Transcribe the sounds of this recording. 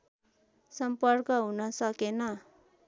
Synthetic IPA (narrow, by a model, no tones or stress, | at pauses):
sʌmpʌrkʌɦunʌsʌkenʌ